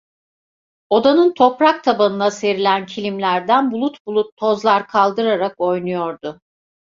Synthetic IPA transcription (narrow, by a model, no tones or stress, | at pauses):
o̞d̪anɯnt̪ʰo̞pɾak̚t̪ʰabanɯnase̞ɾilʲæncʰilʲimlʲæɾd̪ænbulˠut̪bulˠut̪ʰːo̞zlˠaɾkʰalˠd̪ɯɾaɾako̞jnujo̞ɾd̪ʊ